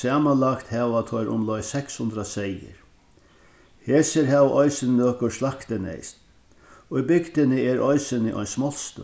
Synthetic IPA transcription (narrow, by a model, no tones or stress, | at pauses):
aːmanlakt̪hɛːʋat̪ʰɔjɾʔʊ̰mlɔjsɛkshʊnd̪ɾasɛjɪ̰ɾ | heːsɪɾɦɛʋʔɔjsɪnnøːkʊɾslakt̪ɪnɛ̰jst̪ | ɔibɪkt̪ɪnɪɛɾɔjsɪnɪʔɔ̰jnsmɔlst̪ʊ̰